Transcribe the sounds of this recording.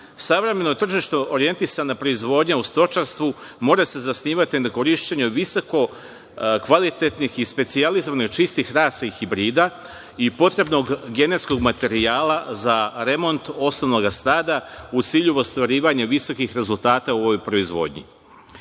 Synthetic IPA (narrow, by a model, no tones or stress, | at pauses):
saʋɾe̞me̞no̞t̪r̩ʒiʃt̪ooɾie̞nt̪isanapɾo̞izʋo̞ːd̪ɲaust̪o̞t͡ʃaɾst̪ʋumo̞ːɾase̞zasniːʋat̪inako̞ɾiʃt͡ɕeɲuʋisoko̞ | kʋalit̪e̞t̪nixispe̞t̪sializoʋaniɡt͡ʃist̪ixɾaːsaixibɾiːd̪a | ipo̞t̪ɾe̞bno̞ɡɡe̞ne̞t̪sko̞ɡmat̪e̞ɾiaːlazaɾe̞mo̞nt̪o̞snono̞ɡast̪aːd̪aut̪siːʎuʋost̪ʋaɾiːʋaɲaʋiso̞kixɾe̞zulˠt̪aːt̪auoʋojpɾo̞izʋo̰d̪ɲḭ